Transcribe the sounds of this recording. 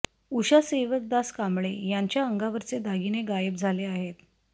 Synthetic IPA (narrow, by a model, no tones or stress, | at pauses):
uɕaseʋək̚d̪askamɭejaɲt͡ɕjaəŋɡaʋəɾt͡sed̪aɡineɡajəp̚d͡zʱaleaɦet̪